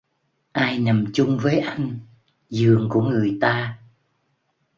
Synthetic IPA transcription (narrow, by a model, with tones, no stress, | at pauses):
ʔaː˧jna˨˩mt͡ɕʊ˧ŋ͡mvəː˨˦jʔa˧jŋ̟ | zɨ˨˩əŋku˧˩əŋɨ˨˩əjt̪aː˧